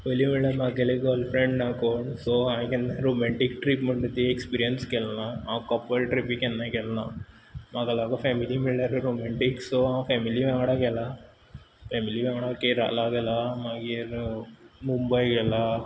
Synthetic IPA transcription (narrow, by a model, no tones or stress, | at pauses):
eljimiɭɐɾmɐɡeleɡolpʰɾeɳɖnaːkoɳsoakɛnːɐɾomeɳʈikʈɾiːpmɐɳɖt̪ːiekspiːɾijɐnskɛlnaaːkɐpːɐlʈɾipikɛnːɐkɛlna | mɐɡɐlaːɡɐpʰemilimiɭːɐɾɾoːmeɳʈiksoãpʰɛmiliʋɛŋɡɐɽakɛlːɐ | pʰemiliʋɛŋɡɐɽakeɾa̰ːlaːɡɛlɐmaɡiɾ | mumbɐjɡɛlɐ